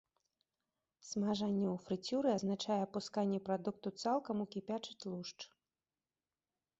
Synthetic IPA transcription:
smaʐanʲːɛufɾɨt͡sʲuɾɨaznat͡ʂajɛpuskanʲːɛpɾad̪uk̚t̪ut̪salˠkɐmukʲipʲat͡ʂɨt̪ʲlˠuʂt͡ʂ

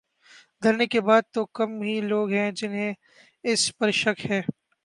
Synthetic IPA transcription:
d̪ʱɐɾnekebaːd̪̚t̪okɐmɦiloːɡɦɛ̃d͡ʒɪnɦẽ | ɪspɐɾʃɐkhɛ̃ː

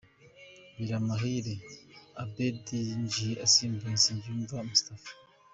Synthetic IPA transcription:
miɾamaɦiɾeabediɲd͡ʒiasiːmbaziɲɟuːɱvamusi̥tafḁ

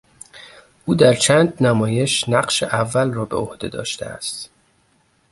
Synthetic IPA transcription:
ʔuːd̪æɾt͡ʃʰænd̪næmɒːje̞ʃnæɢʃeʔævːælrɒːbe̞̰ohd̪e̞̰d̪ɒ̰ːʃt̪ʰḛæ̰st̪

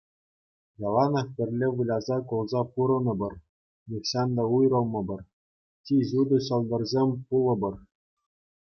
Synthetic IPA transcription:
jɑlˠɑnɑχpʲɘ̆rʲlʲeʋɯlʲɑzɑkulˠzɑpuɾɤ̆nɤ̆bɤ̆r | nʲikɕɑnd̪ɑujrɤ̆lˠmɤ̆bɤ̆r | tʲiʑud̪ɤ̆ɕɤ̆lˠd̪ɤ̆rzʲemʲpulˠɤ̆bɤ̆r

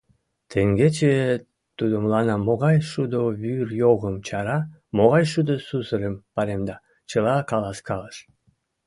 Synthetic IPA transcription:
t̪ʰeŋɡet͡ɕe | t̪ud̪omlˠɑnɑmoɣɑjʃud̪oβyrjoɣəmt͡ɕɑɾɑ | moɣɑjʃud̪osusəlʲəmpɑɾemd̪ɑ | t͡ɕəlˠɑkɑlɑskɑlˠəʃ

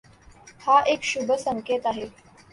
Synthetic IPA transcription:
haʔekɕubʱəsəŋket̪aɦe

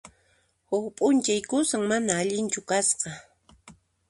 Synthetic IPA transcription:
hʊχpʼʊnt͡ʃajkʊsaŋmanaːʎɪnt͡ʃʊkasqɑ

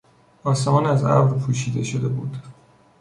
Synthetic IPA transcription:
ɒːsemɒːnæzæ̰vɾpʰuːʃiːd̪e̞ʃod̪e̞bṵːd̪̥

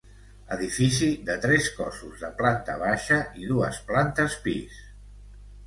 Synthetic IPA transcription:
əðifisiðət̪ɾɛskɔsuzðəplant̪ə̰β̞aʃəʔiðuəsplant̪əspḭs

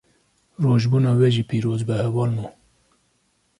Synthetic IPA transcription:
roːʒbuːnɑːwɛʒiːpiːɾoːzbɛhɛvɑːlmu

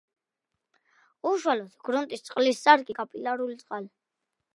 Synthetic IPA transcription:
uʃwalɔsɡɾunt̪ʼist̪sʼqʼlissʼaɾkʼikʼapʼilaɾulit̪sʼqʼal

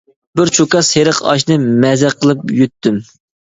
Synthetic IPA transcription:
bɪɾt͡ʃʰokɑsheɾəqɑ̰ʃ̬nɨmɛzɛqʰəlˠɨp̚jyt̪ːym

